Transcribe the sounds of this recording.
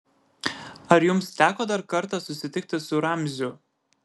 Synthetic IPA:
ɐɾjʊmst̪ʲæːkoːd̪ɐɾkɐɾt̪ɐsʊsʲɪt̪ʲɪk̚t̪ʲɪsʊɾɐmʲzʲʊ

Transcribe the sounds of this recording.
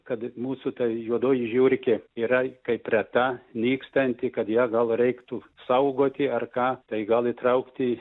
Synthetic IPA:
kɐt̪muːsʊt̪ɐjuɔd̪oːjɪʒʲuːɾʲkʲeiːɾɐkɐɪprʲɛt̪ɑːnʲiːkst̪ɐnʲt̪ʲɪkɐt̪jæːɡɐlˠrʲɛɪkt̪ʊ | sɐʊɡoːt̪ʲɪɐrkɑːt̪ɐɪɡɐlˠɪt̪ɾɐʊkt̪ʲɪ

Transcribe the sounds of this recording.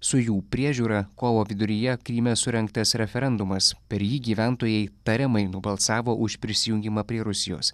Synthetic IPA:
sʊjuːpʲɾʲiɛʒʲuːɾɐkoːʋoːʋʲɪd̪ʊɾʲɪjɛkɾʲiːmʲɛsʊɾʲɛŋkt̪ɐsɾʲɛfʲɛɾʲɛnd̪ʊmɐspʲɛɾjiːɡʲiːʋʲæˑnt̪oːjɛɪt̪ɐɾʲɪmɐɪnʊbɐlˠsɑːʋoːʔʊʃpʲɾʲɪsʲɪjʊŋʲɡʲɪmɑpʲɾʲiɛɾʊsʲɪjo̰ːs

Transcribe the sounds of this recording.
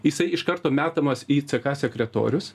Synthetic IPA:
jɪsɐɪɪʃkɐɾt̪oːmʲæːt̪ɐmɐsiːt̪sʲɨkɑːsʲɛkʲɾʲɛt̪o̰ːɾʲʊs

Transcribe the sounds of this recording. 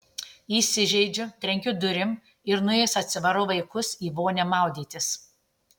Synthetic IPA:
iːsʲɪʒʲɛɪd͡ʒʲʊt̪ʲɾʲɛŋʲkʲʊd̪ʊɾʲɪm | ɪɾnʊeːsɐt̪ʲsʲɪʋɐɾʊʋɐɪkʊsiːʋoːnʲɛmɑˑʊd̪ʲiːt̪ʲɪs

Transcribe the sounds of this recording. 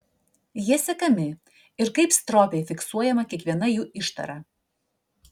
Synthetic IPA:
jiɛsʲɛkɐmʲɪ | ɪɾkɐɪpst̪ɾɔːpʲɛɪfʲɪksuɔjɛmɐkʲiɛkʋʲiɛnɐjuːʔɪʃt̪ɐ̰ɾɐ

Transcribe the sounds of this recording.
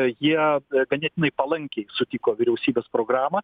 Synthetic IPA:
jiɛɡɐnʲɛt̪ʲɪnɐɪpɐlˠɐŋʲkʲɛɪsʊt̪ʲikoːʋʲɪɾʲɛʊsʲiːbʲeːspɾoːɡɾɑːmɐ

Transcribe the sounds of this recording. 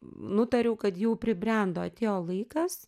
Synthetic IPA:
nʊt̪ɐɾʲɛʊkɐt̪jɛʊpʲɾʲɪbʲrʲɛnd̪oːɐt̪ʲeːjoːlˠɐɪkɐs

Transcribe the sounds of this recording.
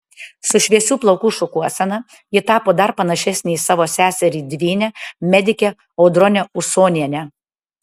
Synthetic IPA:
sʊʃʲʋʲiɛsʲuːplˠɒʊkuːʃʊkuɔsʲɛnɐ | jɪt̪ɑːpoːd̪ɐɾpɐnɐʃʲɛsʲnʲɛisɑːʋoːsʲæːsʲɛɾʲiːd̪ʲʋʲiːnʲɛmʲɛd̪ʲɪkʲɛ | oʊd̪ɾɔnʲɛʊsoːnʲiɛnʲɛ

